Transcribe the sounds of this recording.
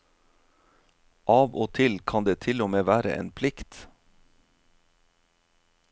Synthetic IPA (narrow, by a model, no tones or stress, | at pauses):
ʔɑːʋoːt̪ʰɪlkʰɑnd̪eːt̪ʰɪlɔmeːʋæːɾə̰ʔḛːnpʰlɪkt̪